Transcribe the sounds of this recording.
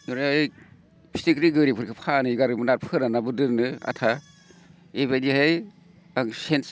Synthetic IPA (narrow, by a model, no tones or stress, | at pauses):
nɯɾaj | pʰi̥stikɾiɡɯɾipʰɯɾkʰɯpʰanɯiɡaɾɯmɯnaɾpʰɯɾanabɯdɯɾnɯa̰tʰa | ebajdihej | aŋsens